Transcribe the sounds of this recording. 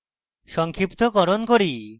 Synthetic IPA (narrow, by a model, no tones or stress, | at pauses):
ʃɔŋkʰɾipt̪okɔɾonkoɾi